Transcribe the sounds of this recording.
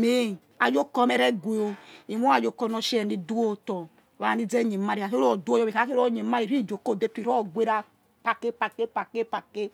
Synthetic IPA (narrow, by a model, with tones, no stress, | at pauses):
me˦˨ | a˨d͡ʒo˦kɔ˦mɛ˨ɾɛ˦ɡwe˨o˧i˨mu˦a˨d͡ʒo˦kɔ˧nɔ˧ʃi˦ɛ˨ni˨du˦o˦tɔ˨ | βa˨ni˦d͡zɛ˦ɲe˨ma˦ɾi˨a˨so˦ɔ˨du˦o˦jɔ˦˨i˨ka˨˦ke˦ɾo˦ɲe˨˦ma˦ɾi˨ɾi˦˨d͡ʒo˨ko˦˨de˦tu˦i˨ɾo˦˨ɡʷe˦ɾa˦ | pa˨ke˦pa˨ke˦pa˨ke˦pa˨ke˦